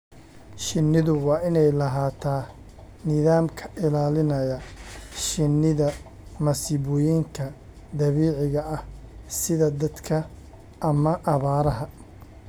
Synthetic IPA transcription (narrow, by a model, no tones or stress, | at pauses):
ʃɪnːɪðʊwɑːʔɪnɛjlɐɦaːt̪ʰaː | nɪðaːmkʰɐ̥ʔɪlaːlɪnɐjɐʃɪnːɪðɐ | mɐsɪβʊjiːŋkʰɐ | d̪ɐβiːʕɪɣɐʔɐhsɪðɐd̪ɐd̪kʰɐ | ʔɐmɐʔɐβaːɾɐɦɐ